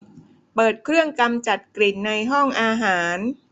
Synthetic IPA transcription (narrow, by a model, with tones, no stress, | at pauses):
pɤː˨˩t̪̚kʰɾɯ˥˩əŋka˧mt͡ɕa˨˩t̪̚kli˨˩nːa˧jɦɔ˥˩ŋʔaː˧ɦaː˩˦n